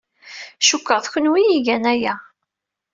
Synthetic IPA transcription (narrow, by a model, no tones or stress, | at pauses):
ʃukːəʁθçənwijiʝænæjæ